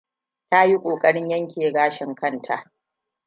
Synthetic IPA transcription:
ta˦ji˦kʷʼoː˨kʼɐ˦ɽɪ˦ɲjɐ˦ŋkʲeː˨ɡaː˦ʃɪ˨ŋkɐ˦˨ntʰa˨ʔ

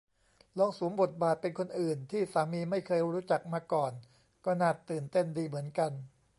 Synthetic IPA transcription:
lɔ˧˥ŋsu˩˦ŋbo˨˩t̪̚baː˨˩t̪̚pe˧nkʰo˧nʔɯː˨˩nt̪ʰiː˥˩saː˩˦miː˧ma˥˩jkʰɤː˧jɾuː˦˥t͡ɕa˨˩k̚maː˧kɔː˨˩n | kɔː˥˩naː˥˩tt̪ːɯː˨˩nt̪e˥˩ndiː˧mɯ˩˦ənka˧n

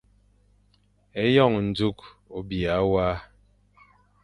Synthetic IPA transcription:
e˦jɔ˦˨ŋn̩˨d͡zu˦k | o˨bja˨˦waː˦

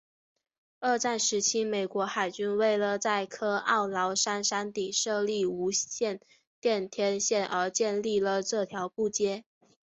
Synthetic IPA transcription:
ə˞˥˧ʈ͡ʂa˥˩nʂɻ̩˧˥t͡ɕʰi˥me˨˩ɪkwɔ˧˥xa˨˩ɪt͡ɕy˥nwe˥˩ɪlə˩t͡sa˥˩ɪkʰɤ˥ɑ˥˩ʊlɑ˧˥ʊʂa˥nʂa˥nt̪i˨˩ʂɤ˥˧li˥˩u˧˥ɕjɛ˥˧n | t̪jɛ˥˧nt̪ʰjɛ˥˧nɕjɛ˥˩nʔə˞˧˥t͡ɕjɛ˥˧nli˥˩lə˩ʈ͡ʂɤ˥˩t̪ʰjɑ˧˥ʊpu˥˩t͡ɕjɛ˥

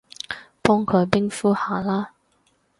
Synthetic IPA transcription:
pɔː˥ŋkʰɵ˨˧ɥpɪ˥ŋfuː˥haː˨˩laː˥

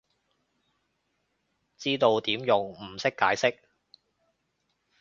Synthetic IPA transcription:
t͡siː˥t̪o˧wt̪iː˨˥mjʊ˨ŋm̩˨˩sɪ˥kːaː˨˥jsɪ˥k̚

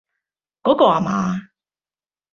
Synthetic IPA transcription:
kɔː˨˥kɔː˧aː˨˩ma̰ː˨˧˦

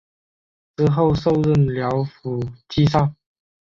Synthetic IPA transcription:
t͡sɹ̩˧˥xo˥˧ʊso˥˧ʊɻə˥˩nljɑ˧˥ʊfu˨˩t͡ɕi˥sɑ˥˩ŋ

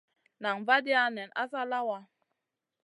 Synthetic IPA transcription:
na˨ŋva˦di˦a˦nɛ˨na̰˦sa˦la˦wa˦

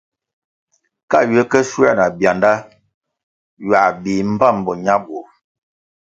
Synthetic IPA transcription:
ka˦˨ɥə˦kə˦su˦a˦˨na˨bja˨nda˦ | ɥa˨bi˨m̩˦ba˦˨m˨bɔ˨ɲa˦bo˨

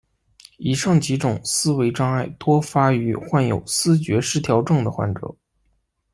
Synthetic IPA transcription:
i˨˩ʂɑ˥˩ŋt͡ɕi˧˥ʈ͡ʂʊ˨˩ŋsɹ̩˥we˧˥ɪʈ͡ʂɑ˥ŋa˥˩ɪt̪wɔ˥fa˥y˧˥xwa˥˩njo̰˨˩ʊsɹ̩˥t͡ɕɥɛ˧˥ʂɻ̩˥t̪ʰjɑ˧˥ʊʈ͡ʂɤ˥˩ŋd̪ə˩xwa̰˧˥nʈ͡ʂɤ̰˨˧˥

